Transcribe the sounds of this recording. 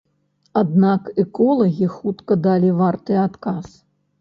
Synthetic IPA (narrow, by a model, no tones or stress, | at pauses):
ad̪nakɛkɔlˠɐɣʲixut̪kɐd̪alʲivart̪ɨat̪kas